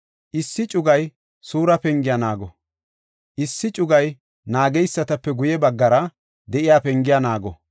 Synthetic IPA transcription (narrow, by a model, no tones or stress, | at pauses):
ʔɪsːɪt͡ʃʼʊɡɐj | suːɾɐpɛŋɡɪjanaːɡɔ | ʔɪsːɪt͡ʃʼʊɡɐj | naːɡɛjsːɐt̪ɐpːɛɡʊjɛbɐɡːɐɾɐ | d̪ɛʔɪjaːpɛŋɡɪjanaːɡɔ